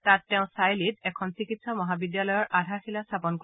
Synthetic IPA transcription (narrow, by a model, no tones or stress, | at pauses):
tatːɛʊ̃sajlitɛkʰɔnsikitsɔmɔɦabidjalɔjɔɹʔadʱaɹxilastʰapɔnk